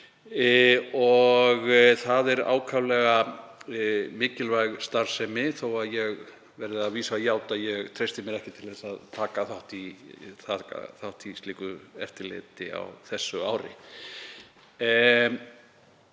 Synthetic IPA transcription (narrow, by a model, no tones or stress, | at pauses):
ɔɣθaðɛɾa̰ːwkʰawlɛɣa | mɪːcɪlvajɣst̪aɾ̥sɛmɪθowaðjɛɣ | vɛɾðɪaðviːsaajaːwt̪aðjɛɣt̪ʰɾejst̪ɪmjɛɾɛhcɪt̪ʰɪlðθɛsaðt̪ʰaːkaθawht̪iθaka̰θawht̪ist̪iːkʏɛ̰ft̪ɪɾlɪ̰ːt̪ɪa̰wθɛsːʏawɾɪ̰